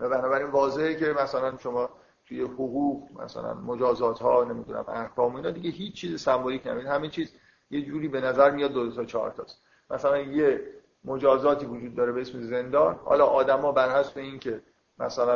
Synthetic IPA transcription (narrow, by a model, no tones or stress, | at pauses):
væbænɒːbæɾiːnvɒːze̞hece̞mæsælænʃo̞mɒː | t̪ʰujehoɣuːɣʁmæ̰sæ̰læ̰nmod͡ʒɒːzɒːt̪hɒːne̞miːd̪unæ̰mæ̰hkʰɒːmoiːnhɒːd̪iɟeɦiːt͡ʃːt͡ʃʰːiːzesæmbolicʰnæ̰biid̪hæmet͡ʃʰiːz | jed͡ʒuːɾiːbe̞næzæɾmijɒd̪̚ːodot̪ʰɒt͡ʃʰɒ̰ːɾt̪ʰɒ̰ːs | mʔæsælænje | mo̞d͡ʒɒːzɒːt̪ʰiːvod͡ʒuːd̪̚ːɒːɾe̞beesmeze̞nd̪ɒːnhɒ̰ːlɒ̰ːʔɒːd̪æmɒːbæɾhæsbeincʰe̞ | mæ̰sælæn